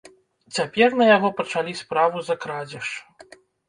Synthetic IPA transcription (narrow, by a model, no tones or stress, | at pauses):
t͡sʲapʲɛrnɐjaɣɔpɐt͡ʂalʲispɾavuzɐkɾad͡zʲɐʂ